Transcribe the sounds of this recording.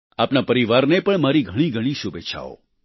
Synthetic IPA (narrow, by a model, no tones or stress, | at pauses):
apnapəɾiʋaɾnepəɳmaɾiɡʱəɽ̃iɡʱəɽ̃ĩʃubet͡ʃʰa̰o̰